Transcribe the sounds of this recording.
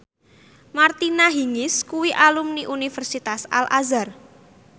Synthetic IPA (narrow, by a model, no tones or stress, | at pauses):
mart̪inaɦiŋɪskuwiʔalumniʔunifərsit̪asa̰lʔa̰zar